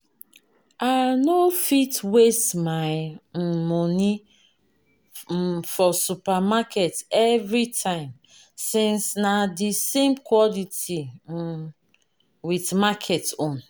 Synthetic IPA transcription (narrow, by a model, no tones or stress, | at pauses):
anofitwestmaɪmɔni | fɔsupamakʰɛtɛvɹitʰãɪ̃m | sĩnsnadisẽmkʰwɔliti | witmakʰɛtõn